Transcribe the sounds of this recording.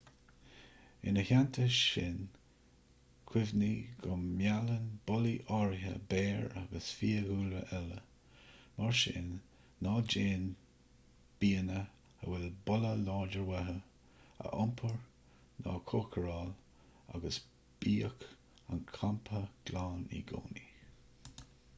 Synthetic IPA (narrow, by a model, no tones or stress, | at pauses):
ɪ̰nəçant̪ʰəʃɪn | kʰwɪvniɡɔmjalənbɔliʔɔɹɦə̰bɛːɹaɡəsfiːəɡuːləʔɛlə̰ | maɹʃɪ̰nː | ɑːd͡ʒeːn | b̥iːənə | ə̰wɛlbɔləlɑːɹd͡ʒəɹwɛɦə | ə̰ʔɔmpʰəɹ | nɑ̰ːkʰokʰəɹɑːl | a̰ɡəs | b̥iːək | a̰nkʰampʰəɡ̥laːnḭɡo̰ːni